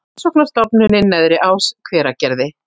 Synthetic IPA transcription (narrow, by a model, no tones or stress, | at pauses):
sɔknast̪ɔpnʏnɪnːɛðɾɪʔawskʰvɛːɾacɛɾðɪ